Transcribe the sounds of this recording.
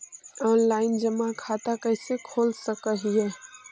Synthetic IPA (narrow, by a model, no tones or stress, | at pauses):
ɔːnlaːɪnd͡ʒɐmakʰaːt̪akɛɪsekʰoːlsəkəɦiɦɛː